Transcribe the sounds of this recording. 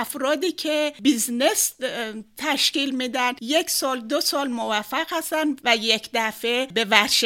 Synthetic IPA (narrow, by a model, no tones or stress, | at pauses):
æfɾɒːd̪iːcʰebiznes | t̪ʰæʃciːlmid̪ænjecʰsɒːld̪osɒːlmovæfːæɣhæst̪ænd̪væjecʰd̪æfebe̞væɾʃ